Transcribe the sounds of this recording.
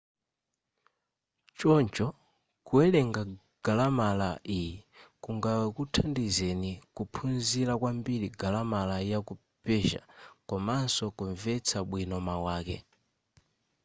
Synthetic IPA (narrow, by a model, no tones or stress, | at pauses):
t͡ʃɔnt͡ʃɔ | kuɛlɛŋɡa | ɡ̥alamalaʔijɛkuŋɡawɛkutʰandizɛnikupʰunziɾakwambiɾiɡalamalaijaku | pɛʒa̰kɔmansɔkuɱvɛt͡sʰaɓwinɔmawaːkɛ̰